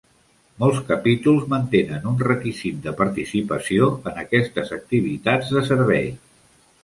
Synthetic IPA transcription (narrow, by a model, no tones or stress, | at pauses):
mɔlˠskəpit̪ulˠzmənt̪enənunrəkizit̪̚d̪əpəɾt̪isipəsioənəkɛst̪əzək̚t̪iβ̞it̪ad͡zðəsəɾβɛ̰j